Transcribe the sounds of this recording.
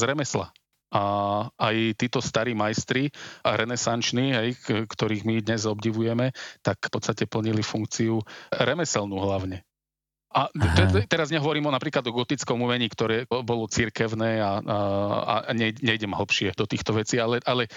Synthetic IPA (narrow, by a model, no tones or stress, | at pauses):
zɾɛmɛsla̰ | aajt̪iːt̪ɔst̪aɾiːmajst̪ɾiɾɛnɛsant͡ʃniɦɛjkt̪ɔɾiːɣmid̪ɲɛzɔbɟiʋujɛmɛt̪akpɔt̪st̪acɛpl̩ɲilifuŋk̚t͡siuɾɛmɛsɛlnuɦlaʊɲɛ | ʔat̪ɛɛt̪ɛɾazɲɛɦɔʋɔɾiːmɔnapɾiːklad̪ɔɡɔt̪it͡skɔmumɛɲiːkt̪ɔɾɛːbɔlɔt͡siɾkɛʊnɛːa | a̰ɲɛɲɛjɟɛmɦl̩pʃɪɛd̪ɔt̪iːxt̪ɔʋɛt͡siːalɛʔalɛ